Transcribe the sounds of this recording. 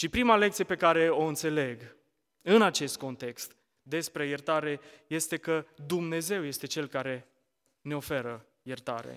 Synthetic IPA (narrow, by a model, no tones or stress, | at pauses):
ʃipɾimale̞k̚t̪sijepe̞kaɾe̞o̞ɨnt̪se̞le̞ɡ | ɨnat͡ʃe̞st̪̚ko̞nt̪e̞kst̪ | d̪e̞spɾe̞jert̪aɾe̞je̞st̪e̞kəd̪umne̞ze̞wje̞st̪e̞t͡ʃe̞lkaɾe̞ | ne̞o̞fe̞ɾə | jert̪a̰ɾḛ